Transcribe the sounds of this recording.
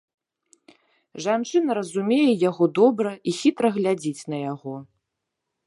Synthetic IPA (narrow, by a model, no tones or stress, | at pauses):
ʐant͡ʂɨnɐɾɐzumʲejɛjaɣɔd̪ɔbɾɐʔixʲit̪ɾɐɣlʲad͡zʲit͡sʲnɐjaɣɔ